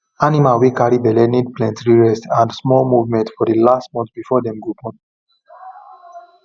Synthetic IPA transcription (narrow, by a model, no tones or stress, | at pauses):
animalwikaɹibɛlɛnid̚plɛ̃ntɹiɹɛsãndsmɔlmuvmɛ̃ntfɔdilastmɔ̃nt̪bifɔdɛ̃mɡopɔ̃n